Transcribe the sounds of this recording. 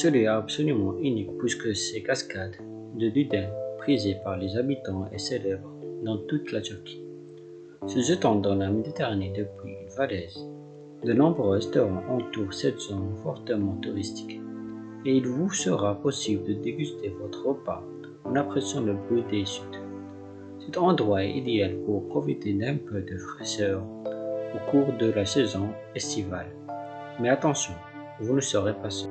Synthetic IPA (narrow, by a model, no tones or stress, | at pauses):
səlɥiɛabsɔlymɑ̃ʔynikpɥiskəsɛkaskad̪ː | əd̪yd̪ɛ̃pχizepaʁlezabit̪ɑ̃ḛselɛbʁd̪ɑ̃t̪ut̪lat̪yʁkʲʰi̥ | səsət̪ɑ̃d̪ɑ̃lamed̪it̪eʁaned̪əpɥiynvalɛz | d̪ənɔ̃bʁøɛst̪ɔʁɑ̃ʔɑ̃t̪uʁsɛt̪z̥omfɔʁt̪əmɑ̃t̪uʁist̪i̥k | eilvusəʁapɔsibləd̪əd̪eɡyst̪evɔt̪χəəpa̰ | ɑ̃napχɛsɑ̃ləbʁyd̪esyt̪ | sɛt̪ɑ̃d̪ʁwaɛid̪ealpuʁpχɔfit̪ed̪ɛ̃pød̪əfχɛʃœʁokuʁd̪əlasɛzɔ̃ | ɛst̪iva̰l | mɛat̪ɑ̃sjɔ̃ | vunəsəʁepasɛ